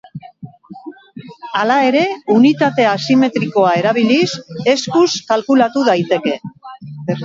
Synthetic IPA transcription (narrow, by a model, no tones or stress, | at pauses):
alae̞ɾe̞unit̪at̪e̞asime̞t̪ɾiko̞ae̞ɾaβ̞ilise̞skuskalkulat̪uðajt̪e̞ke̞